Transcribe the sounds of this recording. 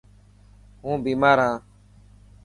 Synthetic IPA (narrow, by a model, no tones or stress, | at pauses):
ɦũːbiːmaːɾãː